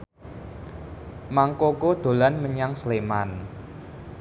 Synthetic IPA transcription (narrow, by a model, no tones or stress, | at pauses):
maŋkokod̪̥o̤lanməɲaŋsleman